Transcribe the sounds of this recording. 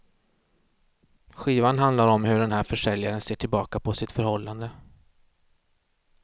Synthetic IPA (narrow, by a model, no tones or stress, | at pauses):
ɧiːvanɦand̪laɾɔmɦɵɖɛnɦæːɾfœʂɛljaɾənseːʈʰɪlbɑːkapʰɔsɪt̪fœɾhɔlːand̪ə